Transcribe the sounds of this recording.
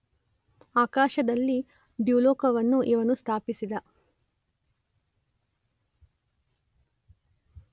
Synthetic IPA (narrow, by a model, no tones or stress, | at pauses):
aːkaːʃɐd̪ɐlːi | ɖjuːlɔːkɐʋɐnːuʔiʋɐnust̪ʰaːpisid̪ɐ